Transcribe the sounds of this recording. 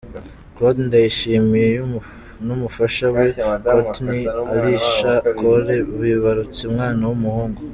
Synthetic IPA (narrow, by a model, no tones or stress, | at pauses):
kotndajiʃiːmijeju | numufaʃawe̞kotniaɾiʃakʰoɾe̞uβuiβaɾut͡siumŋaːnawumuhuːŋɡo